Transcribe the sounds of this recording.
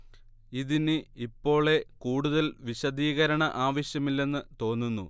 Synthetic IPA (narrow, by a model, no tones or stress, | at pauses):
iðinɨipːo̞ːɭe̞kuːɽuðɐlʋiɕɐðiːɣɐɾɐɳɐʔaːʋɐɕjɐmilːe̞nːɨt̪o̞ːnːunːu